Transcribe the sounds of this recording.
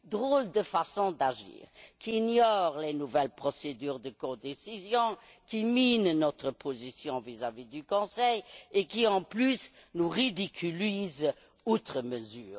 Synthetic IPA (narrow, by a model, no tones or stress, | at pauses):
d̪ʁold̪əfasɔ̃d̪aʒḭːʁkʰiinjɔʁlenuvɛlpχɔsed̪yːʁd̪əkɔ̃d̪esizjɔ̃ | kiminnɔt̪χəpʰozisjɔ̃vizavid̪ykɔ̃sɛjekiɑ̃plysnuʁid̪ikʰyliz | ot̪χəməzyːʁ